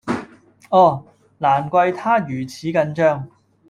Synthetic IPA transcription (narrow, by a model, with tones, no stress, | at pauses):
ʔɔː˧˩ | laː˨˩nkʷɐ˧jt̪ʰaː˥jyː˨˩t͡sʰiː˨˥kɐ˧nt͡ʃœː˥˧ŋ